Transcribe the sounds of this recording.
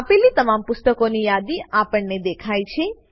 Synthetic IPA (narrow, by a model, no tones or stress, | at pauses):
apelit̪əmampʊst̪əkonijad̪iapəɳned̪ekʰajt͡ʃʰe